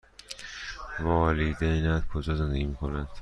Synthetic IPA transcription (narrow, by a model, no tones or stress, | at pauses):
vɒːlid̪einæd̪kʰod͡ʒɒːzend̪eɡiːmiːkʰonænd̪̥